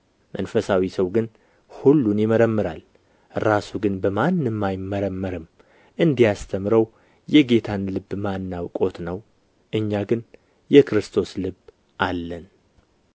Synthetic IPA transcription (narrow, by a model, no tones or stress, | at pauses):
mʔə̰nfəsawisəwɡɨn | hulːunjɪməɾəmːɨɾal | ɾasuɡɨnbəmanːɨmːajɪmːəɾəmːəɾɨm | ʔɨnd̪ijast̪ʰəmɾəw | jɛɡe̞t̪ʰanlɨbːmanːawkʼo̞t̪nəw | ʔɨɲːaɡɨn | jɛkɾɨst̪ʰo̞slɨb | ʔalːən